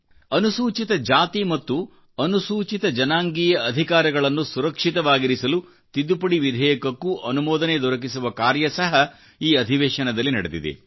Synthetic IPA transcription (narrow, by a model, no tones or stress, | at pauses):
ɐnusuːt͡ʃit̪ɐd͡ʒaːt̪imɐt̪ːu | ɐnusuːt͡ʃit̪ɐd͡ʒɐnaːŋɡijɐːd̪ʱikaːɾɐɡɐɭɐnːusuɾɐkʂit̪ɐʋaːɡiɾisɐlu | t̪id̪ːupɐɽiʋid̪ʱɛːjɐkɐkːuʔɐnumɔːd̪ɐned̪ɔɾɐk̬isuʋɐkaːɾjɐsɐɦɐ | iːɐd̪ʱiʋeːʃɐnɐd̪ɐlːinɐɽed̪ḭd̪ḛ